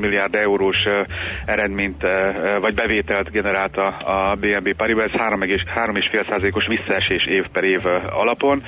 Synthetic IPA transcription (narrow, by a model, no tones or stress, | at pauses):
milːijaːrd̪ɛuɾoːʃɛɾɛd̪meːɲt̪vɒɟbɛveːt̪ɛlt̪ɡɛnɛɾaːlt̪ɒːbeːɛmbeːpaɾibɒɛshaːɾo̞mɛɡeʃhaːɾo̞meːʃfeːlsaːzɒleːko̞ʃʋisːɒɛʃeːʃeːfpɛɾeːvɒ̰lɒpo̞n